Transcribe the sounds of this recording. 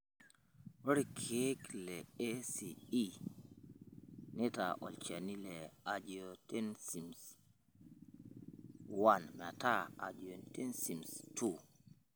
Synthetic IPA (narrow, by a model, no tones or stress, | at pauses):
wɔɾikʰeklɛesii | nɛta̰ʔɔ̰lt͡ʃanilɛad͡ʒiotɛnsims | wanmataa̰d͡ʒiontɛnsimstʰu